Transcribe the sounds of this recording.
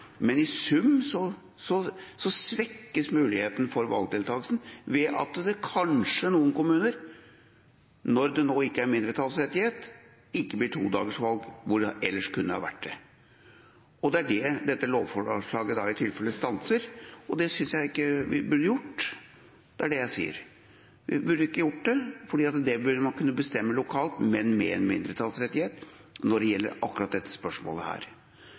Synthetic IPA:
mɛnɪsʉmsɔ | sɔsɔsʋɛkːəsmʉːlɪheːt̪ənfɔɾʋɑ̰lɡ̚d̪ɪːlt̪ʰɑːlsn̩ʋɛʔɑ̰t̪d̪ɛkʰɑnʂənuːənkʊmʉːnəɾ | nɔɾd̪ɛnoːɪkːəæɾmɪnd̪ɾət̪ʰɑːlsɾɛt̪ːɪheːt̪ | ɪkːəblɪʈʰṵːd̪ɑ̰ːɡəʂʋɑlɡʋʊɾɛlːəʂkʉnːəhɑ̰ʋæ̰ʈːd̪ɛ | ɔd̪ɛæɖɛd̪ɛt̪ːəloːʋfɔʂɭɑːɡəd̪ɑɪt̪ʰɪlfɛlːəst̪ɑnsəɾɔd̪ɛsʏnsjæɪɪkːəʋɪbʉɖəjʊʈː | d̪̥ɛæɖɛjæɪsḭːə̰ɾ | ʋɪbʉɖəɪkːəjʊʈːd̪ɛfɔɖiːɑt̪d̪ɛbʉɾmɑnkʉnːəbəst̪ɛmːəlʊkʰɑːlt̪mɛnmɛ̰ɛ̰nmɪ̰nd̪ɾət̪ʰɑlsɾɛt̪ːɪheːt̪ | nɔɖɛjɛlːə̰ɾɑkːɾɑt̪̚d̪ɛt̪ːə̥spœʂmo̰ːləhæ̰ːɾ

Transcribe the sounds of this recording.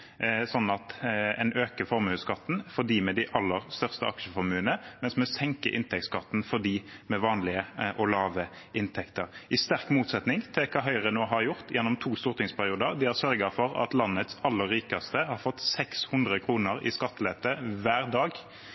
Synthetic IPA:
sɔnːɑt̪ɛnʔøːkəfɔɾmʉːskɑt̪ːnfɔʁd̪iːmɛd̪ɪʔɑlːəʁst̪œʁst̪əɑkʃəfɔɾmʉːənəmɛnsmɛsɛŋkəʔɪnt̪ʰɛk̚t̪skɑt̪ːn̩fɔd̪iːmɛʋɑːnlɪəʔɔlɑːʋə | ɪnt̪ʰɛkt̪əʁɪst̪æʁkmuːt̪sɛt̪nɪŋt̪ʰɪlkʰɑːɦœʏʁənoːɦɑɾjʊʁt̪jɛnːɔmt̪ʰuːst̪ʊːʁt̪ɪŋspʰæʁɪuːd̪əʁd̪ɪhæʁsœɾɡɑfɔɾɑ̰t̪lɑnːət̪sɑlːəɾːiːkɑst̪əhɑʁfɔt̪ːsɛkshʉnd̪ʁəkʰɾuːnəɾɪ̰skɑt̪ːleːt̪əʋæːʁd̪ɑːɡ

